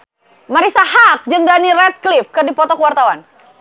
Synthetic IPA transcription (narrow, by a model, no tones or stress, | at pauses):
maɾisahak̚d͡ʒɨŋdanirɛt̪̚klɪfkɨrdipɔt̪ɔkəwart̪awan